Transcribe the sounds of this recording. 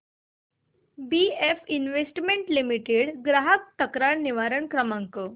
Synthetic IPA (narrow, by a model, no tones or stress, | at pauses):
biefinʋesʈmeɳʈlimiʈeɽɡɾaɦək̚t̪əkɾaɾniʋaɾəɳkɾəmaŋkə